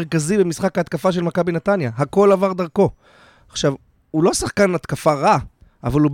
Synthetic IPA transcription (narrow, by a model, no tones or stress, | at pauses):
ʁkazibemisχakaːt̪kafaʃ̬elmakabinat̪anjaɦako̞lavaʁd̪aʁko̞ | aχʃav | ulo̞saχkanat̪kafaʁa | avalub